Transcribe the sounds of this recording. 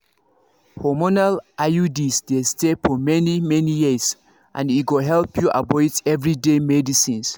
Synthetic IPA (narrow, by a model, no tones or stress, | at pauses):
hɔmonalʔajudisdestefɔmɛnimɛnijis | ʔã̰niɡoɦɛlpjuʔa̰bɔɪdɛvɹidemɛdisĩns